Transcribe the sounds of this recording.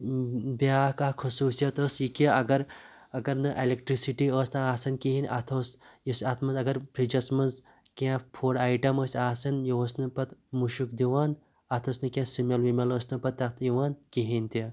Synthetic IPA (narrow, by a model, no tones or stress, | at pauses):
biaːkaːkʰusuːsijɐt̪əːsjikiɐɡɐɾ | ɐɡɐɾnɨʔelek̚ʈɾisiʈiəːsnɨaːsɐnkiɦinʲʔɐt̪ʰoːsjisɐt̪ʰmɐnzɐɡɐɾpʰɾid͡ʒɐsmɐnz | kʲãːpʰoːɽaːjʈɐməːsʲaːsɐnjiosnɨpɐt̪muʃukd̪iʋaːn | ɐt̪ʰɐsnɨkʲãːsumʲeɐlʋimʲɐləːsnɨpɐt̪ːɐkt̪ʰiʋaːnkiɦinʲt̪i